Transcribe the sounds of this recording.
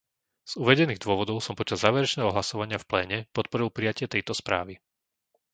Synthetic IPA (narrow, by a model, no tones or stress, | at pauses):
z̥uʋɛɟɛniːɣd̪ʊɔʋɔd̪ɔʊsɔmpɔt͡ʃazːaːʋɛɾɛt͡ʃnɛːɦɔɦlasɔʋaɲɪafplɛːɲɛpɔt̪pɔɾilˠpɾijacɪɛt̪ɛjt̪ɔspɾa̰ːʋi